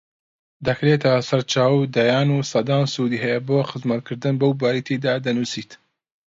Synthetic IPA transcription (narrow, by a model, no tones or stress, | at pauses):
d̪ɐkɾet̪ʰɐsɐɾt͡ʃaːwd̪ɐjaːnuːsɐd̪aːnsud̪iːɦɛjeboːxɨzmɐt̪̚kʰɨɾd̪ɨnbɐwbaːɾit̪ʰid̪aːd̪ɐnusiːt̪